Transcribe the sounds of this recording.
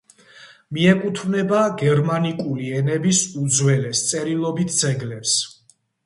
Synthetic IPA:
miɛkʼut̪ʰvnɛbaɡɛɾmanikʼuliɛnɛbisud̪zwɛlɛst̪sʼɛɾilˠɔbit̪̚ʰd̪zɛɡlɛps

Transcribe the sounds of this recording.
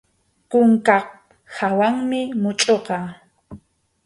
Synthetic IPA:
kʊŋkɑq | hawaŋmɪmʊt͡ʃʼoqɑ

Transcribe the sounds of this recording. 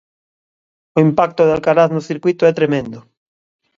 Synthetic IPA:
oimpak̚t̪oðalkaɾaθnoθiɾkwit̪oɛt̪ɾemẽnd̪o

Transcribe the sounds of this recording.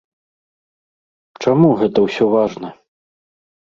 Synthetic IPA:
t͡ʂamuɣɛt̪ɐwsʲɔvaʐnɐ

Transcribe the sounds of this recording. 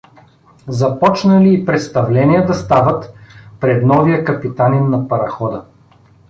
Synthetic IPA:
zɐpɔt͡ʃnəliːpɾɛt̪st̪ɐvlɛniəd̪ɐst̪avət̪pɾɛd̪nɔvijəkɐpit̪aninːɐpɐɾɐxɔd̪ə

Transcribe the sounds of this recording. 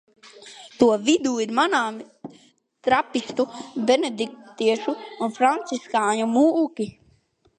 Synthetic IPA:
t̪uɔvid̪uːiɾmanaːm | t̪ɾapist̪ubened̪ik̚t̪iɛʃuunfɾant̪siskaːɲumuʔkʲi

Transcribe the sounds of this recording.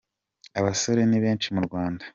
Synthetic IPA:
aβaso̞ɾe̞niβe̞ːnt͡ʃimuɾɡwaːndḁ

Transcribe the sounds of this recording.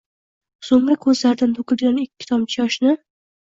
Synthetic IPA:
somɾakʰɵzlaɾd̪ant̪ʰokʲɪlɡʲanɪkʲʰːɪ̥t̪ʰɒmt͡ʃʰɪjɒʃnɪ

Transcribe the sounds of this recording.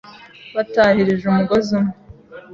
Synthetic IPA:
βatahiɾiʒumuɡozimu

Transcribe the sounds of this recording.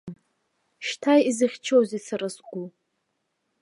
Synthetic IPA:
ʃtʰajizɨχʲt͡ʃʰowzisaɾasɡʷu

